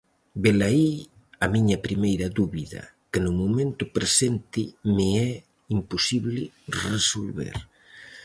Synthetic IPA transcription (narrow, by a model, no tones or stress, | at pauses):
belai | amiɲɐpɾimejɾaðuβiðɐ̰ | kenumumẽnt̪upɾesent̪imeɛ | impusiβli | resolβḛɾ